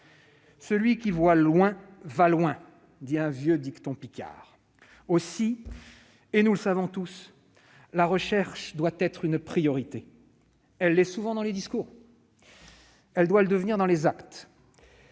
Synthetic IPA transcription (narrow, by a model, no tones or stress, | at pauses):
səlɥikʲivwalwɛ̃valwɛ̃ | d̪iɛ̃vjød̪ikt̪ɔ̃pikʲa̰ʁ | osi | enuləsavɔ̃t̪us | laʁəʃɛʁʃd̪wat̪ɛt̪χynpχijɔʁit̪e | ɛlːɛsuvɑ̃d̪ɑ̃led̪iskuːʁ | ɛld̪waləd̪əvniʁd̪ɑ̃lezakt̪